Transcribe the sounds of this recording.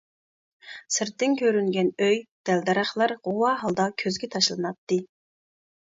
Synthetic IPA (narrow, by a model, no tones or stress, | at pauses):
sɪɾt̪ːɪnkʲʰøɾyŋɡʲɛnøjd̪̥ɛld̪ɑɾɑχlˠɑɾʁowɑɦɑlˠd̪ɑkʲʰøzɡʲɛt̪ʰɑʃlˠɨnɑt̪ːɨ